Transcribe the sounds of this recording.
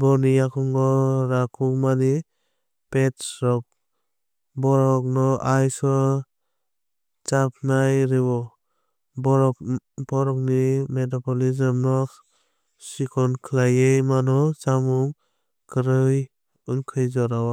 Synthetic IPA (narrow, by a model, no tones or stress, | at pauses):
bɔnijakʰɔŋɡɔɾakʰukmani | petsɾɔk̚ | bɔɾɔk̚nɔʔajsɔ | t͡ʃap̚ʰnajɾɯbɔ | b | bɔɾɔk̚nimetɔpɔlizɯmnɔ | sikʰɔnkʰlajejmanɔt͡ʃamuŋ | kɯɾɯj | ɯnkʰɯjzɔɾawa